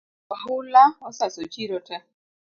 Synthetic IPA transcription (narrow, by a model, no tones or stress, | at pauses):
ɔɦʊlaɔsasot͡ʃiɾɔta